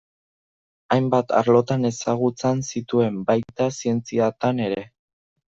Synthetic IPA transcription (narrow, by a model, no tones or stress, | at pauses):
ajmbat̪ʰa̰ɾlo̞t̪ane̞saɣ̞ut͡sensit̪ue̞mbajt̪asie̞nt͡siat̪ane̞ɾe̞